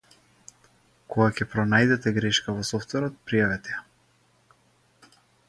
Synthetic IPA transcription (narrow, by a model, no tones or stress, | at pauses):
kɔɡakʲɛpɾɔnajd̪ɛt̪ɛɡɾɛʃkavɔsɔft̪vɛɾɔt̪̚pɾijavɛt̪ɛja